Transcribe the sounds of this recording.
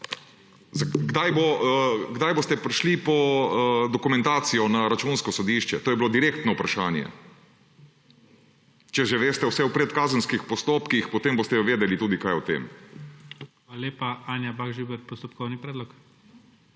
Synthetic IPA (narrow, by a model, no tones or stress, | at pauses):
zaɡd̪ajboɡd̪ajbost̪ɛpɾiʃlipɔd̪ɔkumɛ̃nt̪aːt̪sijɔnaɾat͡ʃunskɔsɔd̪iʃt͡ʃɛt̪oːjɛbilod̪iɾeːkt̪nɔupɾaʃaːnjɛ̰ | t͡ʃɛʒɛʋeːst̪ɛwsɛwpɾɛt̪kaːzənskixpɔst̪oːpkixpɔt̪eːmboːst̪ɛjɔʋeːd̪ɛlit̪uːd̪ikaːjɔt̪ḛːm | xalalʲeːpaaːnjabaɡʒybɛɾpɔst̪ɔp̚kɔwnipɾɛd̪lɔk